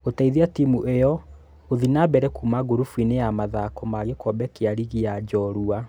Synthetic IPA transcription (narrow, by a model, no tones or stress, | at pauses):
otaiðiatimuʔejɔ | oðinabɛɾɛkuːmaɡoɾufwinejamaðakɔmaɣekɔbɛkeaɾiɣiad͡ʒɔɾua